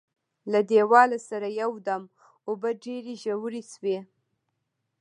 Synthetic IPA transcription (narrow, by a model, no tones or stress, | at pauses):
lad̪ewɑlasaɾajawd̪am | obaɖeɾeʒawuɾiswe